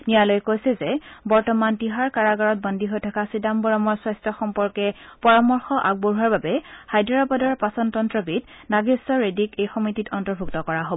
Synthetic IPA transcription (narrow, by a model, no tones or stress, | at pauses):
nijalojkojsɛzɛbɔɹtɔmantiɦaɹkaɹaɡaɹɔt̚bɔndiɦojtʰakasidambɔɹɔmɔɹswɔjstʰɔxɔmpɔɹkɛpɔɹamɔɹxɔʔaɡ̚boɹuɦaɹbabɛhajdɔɹapɔdɔɹpasɔntɔntɹɔbit | naɡisɔɹedikejxɔmititʰɔntɔɹbʱuktɔkɔɹaɦobɔɔ